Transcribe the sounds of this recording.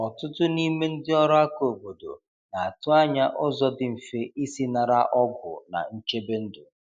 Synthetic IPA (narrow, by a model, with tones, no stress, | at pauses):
ɔ˨tʊ˦tʊ˦ni˦me˦n̩˦dɪ˦ɔ˦ɾɔ˦a˦ko˨bo˨do̰˨ | na˨a˨tʊ˦a˦ɲa˦ʔʊ˦zɔ˦dɪ˦m̩˨fe˦ʔi˦si˦na˨ɾa̰˦ʔɔ˦ɡʷʊ̰˨na̰˨n̩˦t͡ʃe˦be˦n̩˦dʊ˨